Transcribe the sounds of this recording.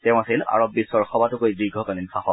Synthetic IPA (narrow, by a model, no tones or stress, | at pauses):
tɛʊ̃asela̰ɹɔbːisɔɹxɔbatʊkojdiɡʱɔkalinsʰaxɔ